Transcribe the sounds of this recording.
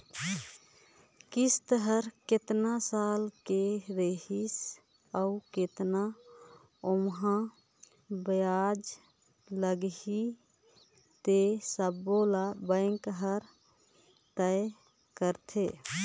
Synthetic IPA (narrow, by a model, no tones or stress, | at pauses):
kist̪əɦəɾket̪nasalkeɾeɦis | auket̪na | omɦã | bəjad͡ʒ | ləɡɦi | t̪esəbːolabəŋkɦəɾ | t̪əe | kəɾt̪ʰe